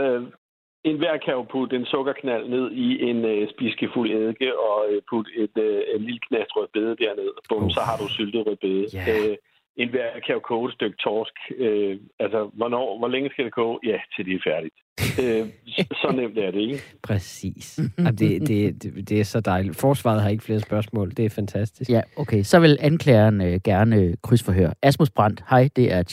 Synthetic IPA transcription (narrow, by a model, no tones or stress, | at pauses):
ø | e̝nʋæɐ̰kʰæʊpʰud̥e̝nsɔ̽ɡ̥ɐkʰnæl̰ne̝ð̞̰ˠiʔe̝nøsb̥isɡ̥əfuleðˠɡ̥əʔɒ̽øpʰud̥e̝d̥øe̝nliləkʰnæsd̥ʁœð̥ˠb̥eːð̞ˠd̥æɐne̝ð̰ˠb̥ɔ̽mm̩sɒ̽hɑ̈d̥usyld̥əðˠʁœð̥ˠb̥eːðˠəø | e̝nʋæɐ̰kʰæʊkʰoːdˠd̥øɡ̥̚t͡sʰɒːsɡ̥øælsəʋɒnɒ̰ːʋɒleŋəsɡ̥æd̥eɡ̥ɔ̰̽ːjæt͡sʰe̝d̥e̝fæɐɾ̥id̥ | øsɒ̽nem̰d̥æɐɾ̥e̝eɡpʰʁɛsḭːsæmd̥e̝d̥e̝ded̥e̝æɐsɒ̽d̥ɑ̈ɪli̥fɒːsʋɑ̰̈ð̞̩ˠɦɑ̈e̝ɡ̥fle̝ːɐspɶɐsmɔ̰ːld̥e̝æɐfænt͡sʰæsd̥isjæokʰesɒ̽ʋe̝lænkʰlɛ̰ːɐnøɡ̥æɐnəkʰʁysfɒɦø̰ɐæsmusb̥ʁɑn̰d̥hɑ̈ɪ̰d̥e̝ʔæɐ